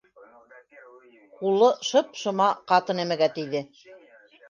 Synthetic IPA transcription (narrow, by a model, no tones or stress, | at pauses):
qulˠɤʃɤp̚ʃɤ̆mɑqɑt̪ɤ̆næmɘ̆ɡæt̪ɘ̆jðɘ